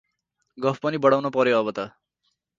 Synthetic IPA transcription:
ɡʌpʰpʌnibʌɽawnopʌɾjoʌbʌt̪ʌ

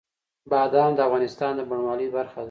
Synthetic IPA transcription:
bɑd̪ɑmd̪əavɣɑnɪst̪ɑnd̪əbaɳwɑləjbaɾxa

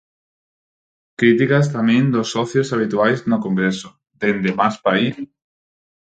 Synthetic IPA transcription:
kɾit̪ikast̪amẽnd̪osːɔθjosaβ̞it̪uajznokoŋɡɾeso̥ | d̪end̪emaspais

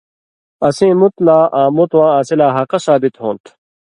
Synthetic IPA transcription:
ɐsĩːmut̪laːʔãːmut̪wãːaːsilaːɦɐqɐsaːbit̪ɦõːnt̪ʰ

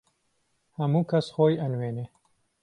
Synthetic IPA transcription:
hɐmuːkʰɐsxoːjɐnweːneː

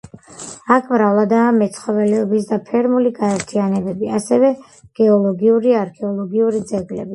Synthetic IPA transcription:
akʰmɾavlˠad̪aːmɛt̪sʰχɔvɛlɛɔbisd̪apʰɛɾmuliɡaɛɾt̪ʰianɛbɛbiasɛvɛ | ɡ̥ɛɔlˠɔɡiuɾiaɾkʰɛɔlˠɔɡiuɾid̪zɛɡlɛbi

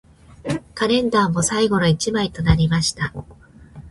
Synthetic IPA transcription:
kaɾẽ̞nd̪aːmo̞saiɡo̞ɾo̞it͡ɕimait̪o̞naɾʲimaɕi̥t̪a

